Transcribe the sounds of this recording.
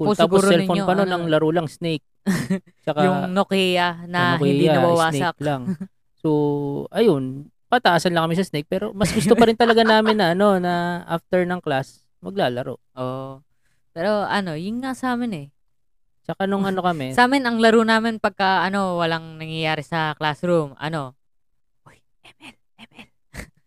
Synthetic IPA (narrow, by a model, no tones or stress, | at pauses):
pst̪aɡɾɛlfoɲnopɐnonɐŋlɐɾolɐŋsnejk̚ | t͡ʃɐkajʊŋnokijɐnɐɪndj̪ianɐbɐwaːnsɐklaŋ | soʔɐjon | pɐt̪ɐʔaːsɐnlɐŋkːɐmɪsɐsnejk̚pɛːɾo̞mɐsɡʊst̪opɐɾɪnt̪ɐlɐɡanaːmɪnːɐʔɐno̞nɐʔa̰ft̪ɛɹnɐŋklas | mɐɡ̚laːlɐɾo̰ʔo | pɛːɾo̞ʔɐno̞jʊnŋasɐaːmɪnɛ | t͡ʃɐkanʊŋʔɐno̞kɐmɛsaːmɪnɐŋlɐɾunaːmɪnpɐɡ̚kɐʔɐno̞wɐlaŋnɐŋjɐjaːɾɛsɐklasɾumʔɐ̰no̞ | ʔoj | ʔɛmɛlʔɛmɛl